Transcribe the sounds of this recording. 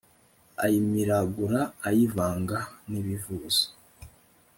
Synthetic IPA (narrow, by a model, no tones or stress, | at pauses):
a̰jimiɾaɡuɾaːjivaːŋɡaniβivuːz̥i̥